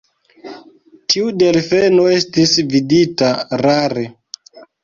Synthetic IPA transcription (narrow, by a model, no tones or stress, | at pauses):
tʰiude̞lfenoe̞stisviditaɾaɾe